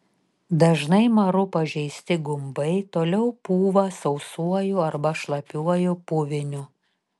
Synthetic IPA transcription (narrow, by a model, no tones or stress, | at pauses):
d̪ɐʒnɐɪmɐɾʊpɐʒʲɛɪsʲt̪ʲɪɡʊmbɐɪt̪oːlʲɛʊpuːʋɐsɐʊsuɔjʊɐɾbɐʃlˠɐpʲuɔjʊpʊʋʲɪnʲʊ